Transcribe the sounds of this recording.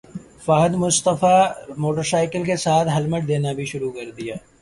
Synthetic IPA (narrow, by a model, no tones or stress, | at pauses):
faːɦəd̪mʊst̪əfamoːʈəɾsaːɪkəlkesaːt̪ʰɦɐlməʈ̚d̪eːnabʱiʃʊɾukɐɾd̪ijaː